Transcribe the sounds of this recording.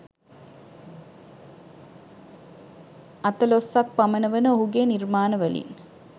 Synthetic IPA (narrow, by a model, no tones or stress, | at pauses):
ɐt̪əlosːɐk̚pɐmənəʋənəoɦuɡeːnirmaːnəʋəlḭn